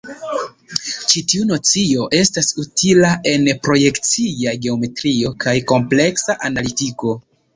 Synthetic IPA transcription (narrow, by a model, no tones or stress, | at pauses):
t͡ʃitiuno̞t͡sio̞ʔe̞stasutʰilaʔe̞npɾo̞je̞kt͡sijaɡe̞o̞me̞tɾio̞kajko̞mple̞ksaʔanalitiko̞